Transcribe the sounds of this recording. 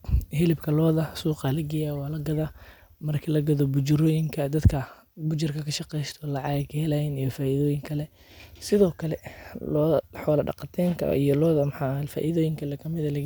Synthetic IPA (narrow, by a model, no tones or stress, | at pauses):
hɪlɪbkʰɐlɔːðɐsuːqɐlɐɡɪjawɑːlɐɡɐðɐ | mɐrkʰilɐɡɐðɔbʊd͡ʒɪɾɔːjɪŋkʰɐd̪ɐd̪kʰɐ | bʊt͡ʃɪrkʰɐkʰɐʃɑqɛjst̪ʰɔlɐʕɑɣɐkʰɐhɛlɐjɪnijɔfaːʔɪðɔːjɪŋkʰɐlɛ | sɪðɔːkʰɐlɛlɔːħɔːlɐɖɑ̰qɑt̪ʰɛːŋkʰɐ̰ḭjɔlɔːðɐmħɑːfa̰ːʔɪðɔːjɪŋkʰɐlɛkʰɐmɪðɐlɐɡ